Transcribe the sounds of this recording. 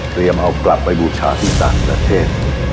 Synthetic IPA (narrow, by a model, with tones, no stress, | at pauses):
t̪ɾi˧əmʔa˧wkla˨˩pːa˧jbuː˨˧t͡ɕʰa̰ː˦t̪ʰiː˥˩t̪aː˨˩ŋpɾa˧t̪ʰeː˥˩t̪̚